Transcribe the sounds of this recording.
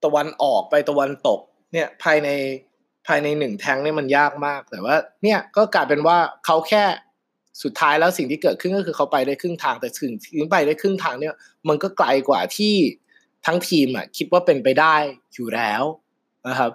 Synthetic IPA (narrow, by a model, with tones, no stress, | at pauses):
t̪a˧wa˧nʔɔː˨˩k̚pa˧jt̪a˧wa˧nt̪o˨˩k̚ | ni˥˩ɐpʰaː˧jna˧j | pʰaː˧jna˧jnɯ˨˩ŋt̪ʰɛ˦˥ŋni˥˩ɐma˧njaː˥˩k̚maː˥˩k̚t̪ɛː˨˩waː˥˩ni˥˩ɐkɔː˥˩kaː˧jpe˧nwaː˥˩kʰa˦˥wkʰɛː˥˩ | su˨˩t̪ʰːaː˦˥jlɛː˦˥wsi˨˩ŋt̪ʰiː˥˩kɤː˨˩ɯ˥˩ŋkɔː˥˩kʰɯː˧kʰa˦˥wpa˧jdaː˥˩jkʰɯ˥˩ŋt̪ʰaː˧ŋt̪ɛː˨˩si˨˩ŋʰi˩˦ŋpa˧jdaː˥˩jkʰɯ˥˩ŋt̪ʰaː˧ŋni˥˩ɐ | ma˧nkɔː˥˩kla˧jkwa̰ː˨˩t̪ʰiː˥˩ | t̪ʰa˦˥ŋt̪ʰiː˧mʔa̰˨˩kʰi˦˥t̪̚waː˥˩pe˧npa˧jdaː˥˩jjuː˨˩lɛː˦˥w | na˦˥kʰa˦˥p̚